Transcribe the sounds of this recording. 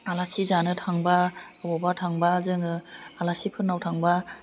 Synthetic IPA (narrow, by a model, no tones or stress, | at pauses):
alasizanɯtʰaŋbaabɔbatʰaŋbazɯŋɯalasipʰɯnːawtʰaŋba